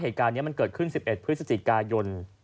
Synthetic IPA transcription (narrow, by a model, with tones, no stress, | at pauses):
ɦeː˨˩t̪̚kaː˧nːi˦˥ɐma˧nkɤː˨˩t̪̚kʰɯ˥˩nsi˨˩p̚ʔe˨˩t̪̚pʰɾɯ˦˥t̪̚sa˧t͡ɕi˨˩kaː˧jo˧n